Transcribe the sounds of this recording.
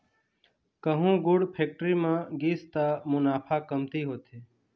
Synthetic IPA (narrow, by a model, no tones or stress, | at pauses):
kəɦũːɡʊɽpʰeːk̚ʈəɾiːmãːɡiːst̪aːmʊnaːpʰaːkəmt̪iːɦoːt̪eː